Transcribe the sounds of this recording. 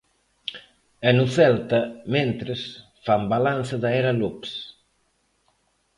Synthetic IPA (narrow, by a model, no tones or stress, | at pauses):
ɛnuθɛlt̪ɐmẽnt̪ɾes | fambalanθɪðaɛɾalups